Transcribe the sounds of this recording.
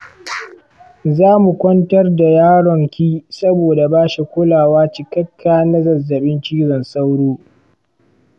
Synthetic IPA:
zaː˦mu˨kʷɔ˦ntɐ˦rda˨jaː˦ɽɔ˨ŋkʲiː˦sɐ˦boː˨da˨baː˦ʃi˨kʷʊ˦laː˨waː˦t͡ʃɪ˨kɐ˦kʰːaː˨na˦zɐ˨zːɐ˨ɓɪ˦nt͡ʃiː˦zɔ˨nsa˦wɽoː˦

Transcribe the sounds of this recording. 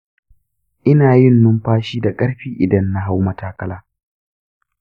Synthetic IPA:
ʔɪ˦naː˨jɪ˦˨nːʊ˦mɸaː˦ʃiː˦da˨kʼɐ˦ɾɸiː˦ʔɪ˨dɐ˦nːa˦ɦa˦wmɐ˨taː˦kɐ˦laː˦

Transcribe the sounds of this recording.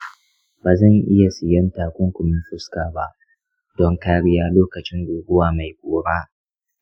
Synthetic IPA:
baː˨zɐ˦˨ɲʔɪ˦ja˨sɪ˨jɐ˦ntaː˨kʷʊ˦ŋkʷʊ˨mɪ˦ɸʊ˦skaː˨ba˦ʔ | dɔ˦ŋkaː˦ɽɪ˦jaː˦loː˦kɐ˨t͡ʃɪ˦nduː˨ɡʊ˦waː˨ma˨jkʷʼoː˦ɽaː˦

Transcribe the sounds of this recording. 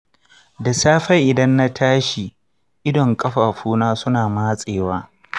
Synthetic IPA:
da˨saː˦ɸɐ˦jʔɪ˨dɐ˦nːa˦tʰaː˦ʃi˨ | ʔɪ˦dɔ˨ŋkʼɐ˦ɸaː˨ɸuː˦naː˦sʊ˦naː˨maː˦sʼeː˨waː˦

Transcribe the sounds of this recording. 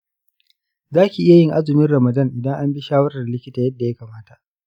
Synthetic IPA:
zaː˦kʲi˨ʔɪ˦ja˨jɪ˦ŋʔa˦zʊ˨mɪ˦nɾɐ˨mɐ˨dɐ˦˨ŋʔɪ˨dɐ˦ŋʔa˦mbi˦ʃaː˦wɐ˦ɾɐ˨lɪ˦kʲɪ˦taː˨jɐ˦dːa˨ja˦kaː˨maː˦ta˨ʔ

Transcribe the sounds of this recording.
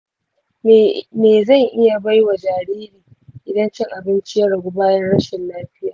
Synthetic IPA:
meː˨zɐ˦˨ŋʔɪ˦ja˨ba˦jwa˨d͡ʒaː˨ɾiː˦ɾiː˨ | ʔɪ˨dɐ˦nt͡ʃɪ˦ŋʔa˨bɪ˦nt͡ʃɪ˦jɐ˦ɽa˨ɡʷu˦baː˦jɐ˦nɽɐ˦ʃɪ˨nlaː˦ɸɪ˦jaː˨

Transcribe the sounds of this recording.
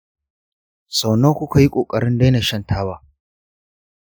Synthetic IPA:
sa˨wna˦kʷʊ˦ka˨ji˦kʷʼoː˨kʼɐ˨ɾɪ˦nda˦jna˨ʃɐ˦˨ntʰaː˦waː˦

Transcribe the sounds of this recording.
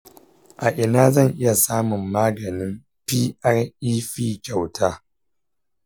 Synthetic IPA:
ʔa˨ʔɪ˨naː˦zɐ˦˨ŋʔɪ˦ja˨saː˦mʊ˨mːaː˦ɡɐ˨nɪ˦m | piː˦ʔɐ˦riː˦ɸiː˦kʲa˨wtʰaː˦

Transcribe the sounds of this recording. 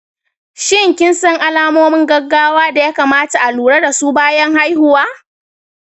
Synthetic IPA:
ʃɪ˦ŋkʲɪ˦nsɐ˦ŋʔa˦laː˦moː˦mɪ˦ŋɡɐ˦ɡːaː˦waː˦da˨jaː˦kaː˨maː˦ta˨ʔa˨luː˨ɽɐ˦da˨suː˦baː˦jɐ˦ŋha˦jhʊ˦waː˦

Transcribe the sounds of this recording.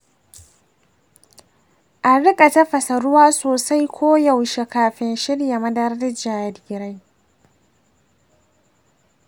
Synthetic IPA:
ʔa˨ɽɪ˦kʼɐ˨ta˦ɸɐ˨sɐ˨ɾʊ˦waː˦soː˨sa˦jkʷʰoː˦ja˨wʃe˨kaː˨ɸɪ˦nʃɪ˦ɽja˨mɐ˦dɐ˦ɾɐ˦dd͡ʒaː˨jɐ˨dɡʲɪ˨ɾa˦j

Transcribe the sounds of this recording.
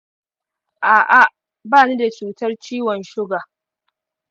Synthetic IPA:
ʔaː˨ʔa˨ | baː˦˨ni˦da˨t͡ʃuː˨tɐ˦rt͡ʃiː˦wɔ˨nʃʊ˦ɡaː˨

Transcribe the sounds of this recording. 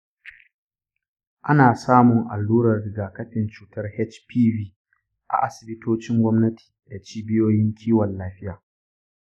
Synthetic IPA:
ʔa˦naː˨saː˦mʊ˨ŋʔa̰˨lːuː˦ɾɐ˨rːɪ˨ɡaː˨kɐ˦tɪ˨nt͡ʃuː˦tɐ˦rhɛ˦t͡ʃpʰiː˦viː˦ | ʔa̰˨ʔa˦sɪ˨bɪ˦toː˦t͡ʃɪ˦ŋɡʷɔ˦mnɐ˦tʰi̥ː˨da˨t͡ʃiː˦bɪ˦joː˦jɪ˦ŋkʲʰiː˦wɐ˨lːaː˦ɸɪ˦jaː˨

